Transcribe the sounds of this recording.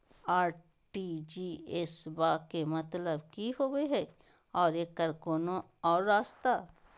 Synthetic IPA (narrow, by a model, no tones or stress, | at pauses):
aːɾ | ʈid͡ʒiesbaːkemɐt̪ləbkiɦoːɡeɦɛː | ɔːɾekəɾkoːnõ | ɔːɾːaːst̪aː